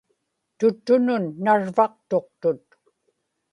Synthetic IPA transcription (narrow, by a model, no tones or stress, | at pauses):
t̪ʊt̪ːʊnʊnːaɻvɑq̚t̪o̞qt̪ʊt̪